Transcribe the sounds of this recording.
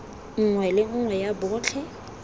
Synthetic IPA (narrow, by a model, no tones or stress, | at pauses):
ŋ̩ŋwɛlɪŋ̩ŋwɛjabʊːt͡ɬʰɛ